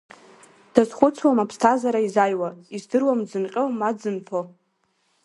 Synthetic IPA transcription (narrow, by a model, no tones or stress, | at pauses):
d̥azχʷʊt͡sʰwamapʰstʰazaɾaizajwaizdɨrwamd͡zɨnqʲʼomad͡zɨnpʰo